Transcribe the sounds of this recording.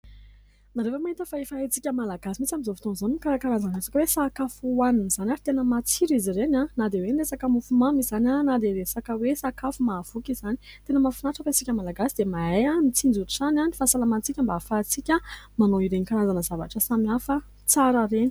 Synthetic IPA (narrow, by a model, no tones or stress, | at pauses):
naɾewemaɦint̪əfaefaɦet͡sikʲəmalaɡasimit͡samizofi̥t̪onzanimikaɾakaɾazanesakəwesakafuwaniniz̥anaɾit̪enəmat͡siɾizirenanad̪ewenlesakəmufumamizanʲanad̪eɾesakəwesakafumav̥ukʲizani̥ | t̪enəmafinaʈ͡ʂəfet͡sikʲəmalaɡasid̪̥emaejamit͡sind͡zut̪u̥ʈ͡ʂananifasalamant͡sikʲəmbaːfat͡sikʲəmanoiɾeɲikaɾazanəzava̰ʈ͡ʂəsamiafə | t͡saɾəɾeni̥